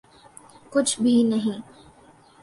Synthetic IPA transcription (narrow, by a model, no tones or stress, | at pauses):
kʊt͡ʃʰbʱinɐɦĩː